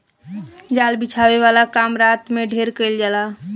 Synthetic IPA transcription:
d͡ʒalbit͡ʃʰaʋeʋalakamɾat̪meɖʱeɾkəɪld͡ʒala

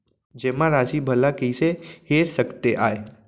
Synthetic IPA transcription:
d͡ʒeːmãɾaːsibʱəlakiiseheːɾsəkt̪eʔaːe

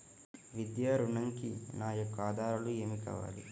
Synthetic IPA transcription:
ʋid̪jaːɾuɳɐŋkinaːjɐkːaːd̪aːɾɐlueːmikɐ̰ʋa̰ːlḭ

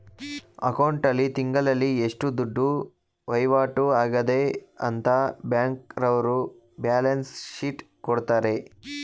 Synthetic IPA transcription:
ɐ̰kɐwɳʈɐlːit̪iŋɡɐlɐlːieʂʈud̪uɖːu | ʋɐjʋaːʈuaːɡɐd̪eɐ̰nt̪ʰɐbjaːŋkɾɐʋɐɾu | bjaːlɐnsʃiʈ | kɔɽt̪aːɾe̞

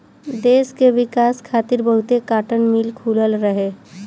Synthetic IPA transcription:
d̪eːskeʋɪkaːskʰaːt̪ɪɾbəɦʊt̪ekaːʈənmɪlkʰuːləlɾəɦeː

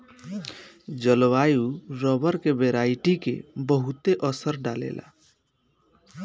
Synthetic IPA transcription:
d͡ʒəlwajuɾɔbəɾkebeɾaiʈikḛbəɦut̪eʔəsəɾɖalḛlʔa̰

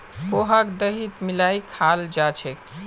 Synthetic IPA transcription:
koɦakd̪əɦit̪milajkʰald͡ʒat͡ʃʰɛk

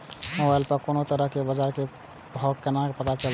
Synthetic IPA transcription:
mobajlpəkonot̪əɾəɦkebəd͡ʒaɾke | bʱɔkːenakpət̪at͡ʃəl

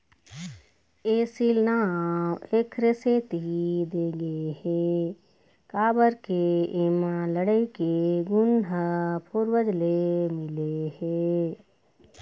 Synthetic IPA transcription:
eːsilnaːmekʰɾeseːt̪id̪eɡehe | kaːbəɾkeeːmãləɽəikeɡʊnɖʱəpʰuɾbəd͡ʒlemɪleheː

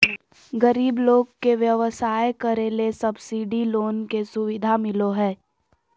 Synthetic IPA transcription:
ɡəɾiːbloːɡkeʋjəʋəsaːjkəɾelesɐbsiːɖiloːnkesʊʋɪd̪ʱamɪloɦɛː

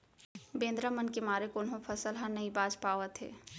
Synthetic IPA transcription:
bẽːnd̪ɾamənkemaːɾekʊnɦõfʰɐsəlɦənɐɦĩbaːd͡ʒpaːʋət̪ɦɛ̰ː

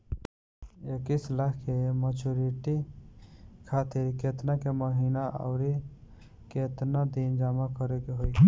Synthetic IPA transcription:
ekislakkemət͡ʃuɾiʈi | kʰat̪iɾket̪nakeməɦinaʔa̰ʊɾi | ket̪nad̪ind͡ʒamakəɾekeɦoj

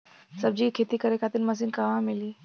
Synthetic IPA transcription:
səbd͡ʑiːkʰet̪iːkəɾekʰat̪iːnməs̬iːnkaʋãmiliː

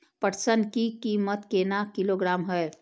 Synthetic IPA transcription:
pəʈsənkikiːmət̪keːnakɪloːɡɾaːmɦəe

